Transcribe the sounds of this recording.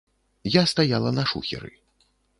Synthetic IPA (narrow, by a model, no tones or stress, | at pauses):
jast̪ajalˠɐnɐʂṵxʲɛ̰ɾɨ̰